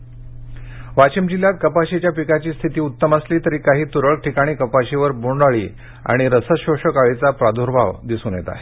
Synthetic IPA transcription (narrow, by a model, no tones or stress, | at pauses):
ʋat͡ɕimd͡ʑilːjat̪̚kəpaɕit͡ɕjapikat͡ɕiːst̪ʰit̪iːut̪ːəməsliːt̪əɾiːkaɦiːt̪uɾəɭ̚ʈʰikaɽ̃iːkəpaɕiʋəɾboɳɖaɭḭː | a̰ɽ̃iɾəsəɕoɕəkaɭet͡sapɾad̪ʱoɾbʱaʋd̪isuːnjet̪a̰